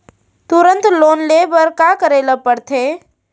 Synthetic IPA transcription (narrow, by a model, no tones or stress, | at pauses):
t̪uɾə̃nt̪loːnlebəɾkakəɾeːləpəɽt̪ʰe